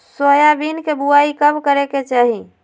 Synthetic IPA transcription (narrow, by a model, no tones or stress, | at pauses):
səjabinkebuaikəbkəɾeket͡ʃaɦi